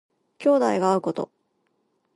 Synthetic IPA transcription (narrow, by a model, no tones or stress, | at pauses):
kʲo̞ːd̪aiɡaːɯ̟ko̞t̪o̞̰